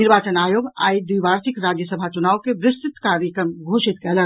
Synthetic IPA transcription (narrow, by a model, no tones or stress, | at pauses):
ɪɾʋaːt͡ʃənaːjoːɡa̰ːid̪wiʋaːɾsɪkɾaːd͡ʒjəsəbʱat͡ʃʊnaːʋkeʋɾɪst̪ɪt̪kaːɾjəkɾəmɡʱoːʃɪt̪kɛlə